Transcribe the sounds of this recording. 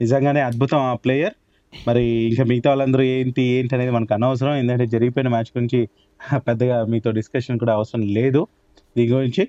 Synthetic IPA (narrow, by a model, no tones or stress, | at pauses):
nizɐŋɡaːne̞ːɐd̪̚bʱut̪ɐmaːpleːjɐɾ | mɐɾiːŋkaːmiɡt̪ɐʋaːlɐnd̪ɐɾueːnt̪ieːɳʈɐne̞ːd̪imɐnɐkiɐnɐʋɐs̬ɐɾɐme̞ːnd̪kɐɳʈeːd͡ʒɐɾiɡipojinɐmaːt͡ʃɡuɾuɲt͡ʃi | pɛd̪ːɐɡaːmiːt̪o̞ːɖiskɐʂɐnkuːɽaːʋɐsɐɾɐmle̞ːd̪u | d̪iːnɡuɾiɲt͡ʃi